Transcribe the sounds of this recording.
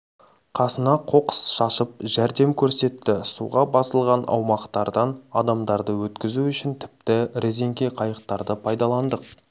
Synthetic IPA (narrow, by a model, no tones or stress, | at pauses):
qʰɑsənɑqʰo̞qə̥sʃɑsəp̚ʒæɾd̪e̞mkʲʰɵɾse̞t̪ːɪsṵʁɑbɑsəlˠʁɑnʔɑ̰wmɑqt̪ɑɾd̪ɑnɑd̪ɑmd̪ɑɾd̪əwɵt̪kʲɪzuʏʃɪnt̪ʰɪ̥p̚t̪ɪɾʔe̞ze̞ŋkʲe̞qʰɑjəq̚t̪ɑɾd̪əpʰɑjd̪ɑlˠɑnd̪əq̚